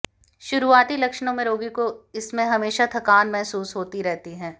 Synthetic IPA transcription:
ʃʊɾuaːt̪ilɐkʃnõmẽɾoːɡikoɪsmẽɦɐmeːʃat̪ʰɐkaːnmɛɦsuːsɦoːt̪iɾɛɦt̪iɦɛ̃ː

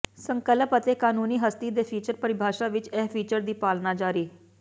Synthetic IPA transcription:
səŋkələpət̪ekaːnuːniːɦəst̪iːd̪eːpʰiːt͡ʃəɾpəɾɪbʱaːʃaʋɪt͡ʃɛɦpʰiːt͡ʃəɾd̪iːpaːlnad͡ʒaːɾiː

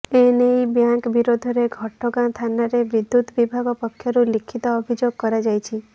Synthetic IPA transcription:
enejbjãŋkbiɾod̪ʱɔɾeɡʱɔʈʰːɔɡãt̪ʰanaɾeʋid̪ːut̪ʋibʱaɡɔpəkʰːjɔɾulikʰit̪ɔːbʱid͡ʒoɡ̚kɔɾad͡ʒajt͡ʃʰi

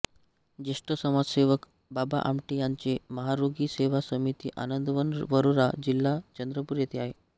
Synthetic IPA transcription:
d͡ʑeʂʈəsəmad͡zseʋək | baba̰ʔa̰mʈijaɲt͡seməɦaɾoɡiːseʋasəmit̪ḭːʔa̰nənd̪ʋənʋəɾoɾad͡ʑilːat͡ɕənd̪ɾəpuːɾjet̪ʰeaɦe

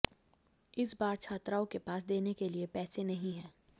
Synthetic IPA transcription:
ɪsbaːɾt͡ʃʰaːt̪ɾaːõkepaːs̬d̪eːnekeliepɛːsenɐɦĩɦɛ̃ː

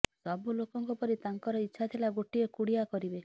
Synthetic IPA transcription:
sɔbulokɔŋkɔpɔɾit̪aŋkɔɾɔitːʃʰat̪ʰilaɡoʈiekuɽijakɔɾibe

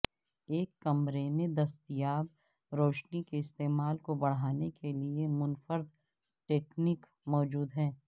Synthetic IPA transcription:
eːkːɐmɾemẽd̪ɐst̪ɪjaːb | ɾoːʃnikeɪst̪eːmaːlkobɐɽ̤aːnekeliemʊnfəɾd̪ | ʈeːknik | mɔːd͡ʒuːd̪ɦɛ̃ː

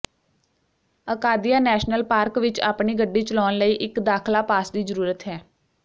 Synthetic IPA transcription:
əkaːd̪ijaːnɛːʃnəlpaːɾkʋɪt͡ʃa̰ːpɳiːɡəɖːiːt͡ʃəlɔːnləiːʔɪkd̪aːkʰlaːpaːsd̪iːzəɾuːɾət̪ɦɛː

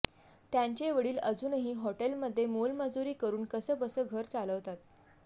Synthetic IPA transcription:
t̪jaɲt͡ɕeʋəɽiːləd͡zuːnɦiːɦɔʈelməd̪ʱːjemolməd͡zuɾiːkəɾuːnkəsəːbəsəːɡʱəɾt͡saləʋt̪at̪̚

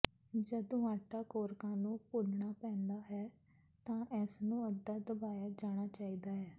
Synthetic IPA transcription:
d͡ʒəd̪õːaːʈaːkoːɾkãːnũːpʊlɳaːpɛ̃ːnd̪aːɦɛː | t̪ãːʔɛːsnũːəd̪ːaːd̪əbaːjaːd͡ʒaːɽ̃aːt͡ʃaːiːd̪aːɦɛː

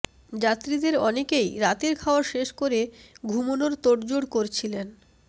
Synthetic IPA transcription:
d͡ʑat̪ːɾid̪eɾɔnekejɾat̪eɾkʰaoaɾʃeʃkoɾeɡʱumonoɾt̪oɖd͡ʑoɽkoɾt͡ɕʰilen

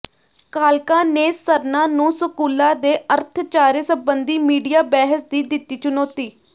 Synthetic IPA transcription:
kaːlkãːneːsəɾnãːnũːsʊkuːlãːd̪eːʔəɾt̪ʰt͡ʃaːɾeːsəbənd̪iːmiːɖijaːbɛːɦəsd̪iːd̪ɪt̪ːiːt͡ʃʊnɔːt̪iː

